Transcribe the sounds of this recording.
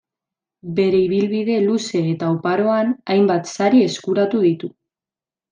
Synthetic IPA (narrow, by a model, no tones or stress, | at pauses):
be̞ɾe̞iβ̞ilβið̞e̞luse̞ːt̪aupaɾo̞anajmbat̪saɾie̞skuɾat̪uð̞it̪u